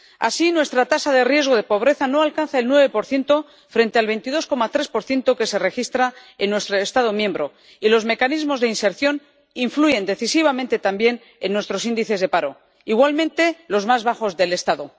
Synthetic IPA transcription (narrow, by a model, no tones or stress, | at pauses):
a̰sinwe̞st̪ɾat̪asaðerje̞zɣoð̞e̞po̞β̞ɾe̞θano̞alkanθaelnwe̞βe̞po̞ɾθje̞nt̪o̞ | fɾe̞nt̪e̞alβ̞ent̪iðo̞sko̞mat̪ɾe̞spo̞ɾθje̞nt̪o̞ke̞se̞re̞xist̪ɾaenːwe̞st̪ɾoe̞st̪aðo̞mjẽ̞mbɾo̞̰ | ilo̞zme̞kanizmo̞zðe̞inse̞ɾθjo̞n | iɱfluʝe̞nd̪e̞θisiβ̞amẽ̞nt̪e̞t̪ambje̞n | enːwe̞st̪ɾo̞sind̪iθe̞zðepaɾo̞̰ | iɣwalmẽ̞nt̪e̞lo̞zmazβaxo̞zðe̞le̞st̪aðo̞